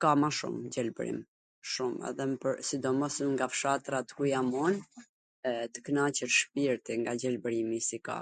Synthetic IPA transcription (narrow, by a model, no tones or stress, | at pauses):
kamaʃṵmd͡ʑɛlbəɾḭm | ʃumɛ̰ðɛmpəɾsid̪ɔmɔsəŋɡafʃat̪ɾat̪ə̥kujamɔn | t̪ə̥kənat͡ɕəɾʃpiɾt̪iŋɡad͡ʑɛlbəɾimisika̰